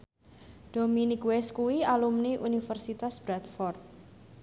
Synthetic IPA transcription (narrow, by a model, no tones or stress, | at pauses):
d̪̥ominikwɛskuwialumniʔunifərsit̪asb̥ɾat̪̚fɔrt̪̚